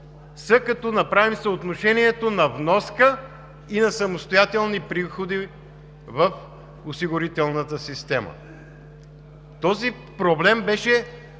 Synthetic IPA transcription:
səkɐt̪ɔnɐpɾavimsəot̪noʃɛniɛt̪onɐvnɔskə | inɐsɐmost̪ojat̪ɛlˠnipɾixod̪i | vəf | osiɡʊɾit̪ɛlˠnət̪əsist̪ɛmə̰ | t̪ɔzi | pɾoblɛmbɛʃɛ

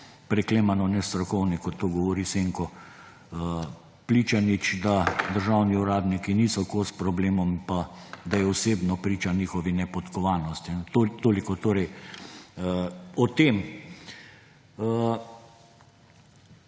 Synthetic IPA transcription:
pɾɛkleːmanɔnɛst̪ɾɔxɔwnikɔt̪ːoːɡɔʋɔɾiseŋkɔ | pliːt͡ʃanit͡ʃd̪ad̪əɾʒawniuɾaːd̪nikiniːsɔkospɾɔbleːmɔmpad̪ajɛɔseːbnɔpɾiːt͡ʃaniːxɔʋinɛpɔt̪kɔʋaːnɔst̪int̪ot̪oːlikɔt̪oːɾɛj | ɔt̪eːm

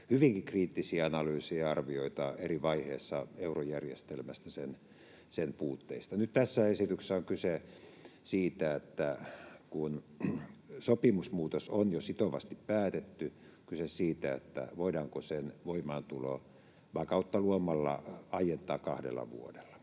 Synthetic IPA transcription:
hyʋiŋkikriːt̪ːisiæɑnɑlyːsejɑɑrʋioit̪ɑeriʋɑihḛːsːɑeurojærjḛst̪elmæst̪æsen | senpuːt̪ːeist̪ɑnyt̪t̪æsːæesit̪ykseˑæoŋkyse | siːt̪æet̪ːækun | sopimusmuːt̪osonjosit̪oʋɑ̰st̪ippæːt̪et̪ːy | kysessiːt̪æḛt̪ːæ̰ʋoidɑːŋkosenʋoimɑnt̪ulo̰ | ʋɑkɑut̪ːɑluomɑlːɑ̰ɑijent̪ˑɑːkkɑhdḛlːɑ̰ʋṵodelːɑ̥

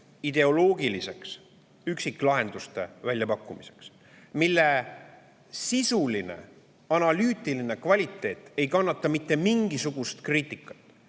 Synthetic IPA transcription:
id̪̥e̞o̞lo̞ːɡilise̞ks | yksikːˑlɑɦe̞nd̪ust̪e̞vælʲjɑpɑkːˑumise̞̥ks | milːe̞ | sisuline̞̰ | ɑnɑlyːt̪ːˑiline̞kvɑlʲit̪ːˑe̞ːt̪ˑe̞jkɑnːɑt̪ːˑɑmit̪ːˑe̞miŋɡ̥isuɡ̥ust̪kriːt̪ːˑikːˑɑ̥t̪ːˑ

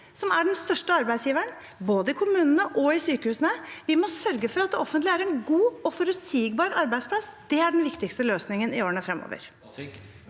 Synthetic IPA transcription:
sɔmæɖɛnst̪œʂʈəɑɾbæɪd̪sjiːʋəɳ | boːd̪əɪkʰʊmʉːnənəʔɔɪsyːkəhʉːsənəʋɪmɔsœɾɡəfɔɾɑt̪̚d̪ɛɔfːənt̪lɪæɾɛnɡuːɔfɔɾʉt̪siːɡbɑːɾɑɾbæɪspʰlɑsːd̪̥ɛæɖɛnʋɪkt̪ɪkst̪əløːsnɪŋənɪoːɾɳəfɾɛmo̰ːʋə̰ɾ

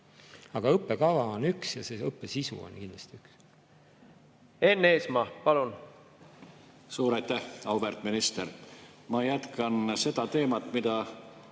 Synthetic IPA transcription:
ɑɡ̥ɑɤpːe̞kɑvɑo̞nyksjɑseɤpːesisṵo̰nkind̪l̥ɑ̥̰st̪iyks | e̞nːeːsmɑpɑlun | suːɾɑjt̪æhɑwvert̪minist̪eɾmɑjæt̪kɑnse̞d̪̥ɑt̪e̞ːmɑt̪mid̪̥ɑ

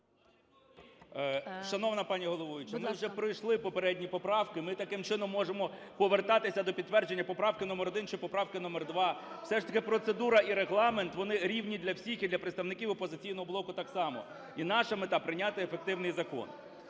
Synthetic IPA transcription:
ʃɐnɔʋnɐpɑnʲiɦɔlˠɔʋɔʋʲɪt͡ʃɪmɪwʒɛpɾɪjʃlˠɪpɔpeɾɛdʲnʲipɔpɾɑwkɪmɪt̪ɐkɪmt͡ʃɪnɔmːɔʒemɔ | pɔʋert̪ɑt̪ɪsʲɐd̪ɔpʲid̪̚t̪ːʋɛrd͡ʒe̞nʲːɐpɔpɾɑwkɪnɔmeɾɔd̪ɪnt͡ʃɛpɔpɾɑwkɪnɔmɛrd̪ʋɑw̥sɛʃt̪ɐkɪpɾɔt̪sed̪uɾɐiɾeɦlˠɑment̪ʋɔnɪɾʲiwnʲid̪lʲɐwsʲixid̪lʲɐpɾeɪt̪st̪ɐʋnɪkʲiʋwʊpɔzɪt͡sʲijnɔɦɔblˠɔkʊt̪ɑksɑmɔ̰ | inɑʃɐmet̪ɑpɾɪnʲat̪ɪefek̚t̪ɪwnɪjzɐkɔ̰n

